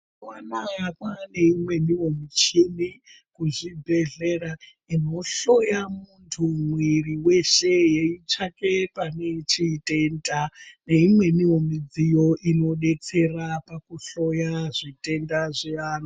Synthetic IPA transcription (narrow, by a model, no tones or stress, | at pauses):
wanakwane̞imwe̞niwo̞mit͡ʃini | kuʐibʱe̞ɮe̞ra | ino̞ɬo̞jamuntʰumwiriwe̞ʃe̞je̞it͡ʃake̞pane̞t͡ʃite̞ndane̞imwe̞niwo̞mid͡zijo̞ʔino̞ɗe̞t͡se̞rapakuɬo̞jaʐite̞ndaʐiano